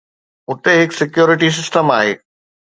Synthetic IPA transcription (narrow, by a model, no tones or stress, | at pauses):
ʊt̪eɦɪksɪkjuːɾɪʈis̬ɪsʈəmaːɦeː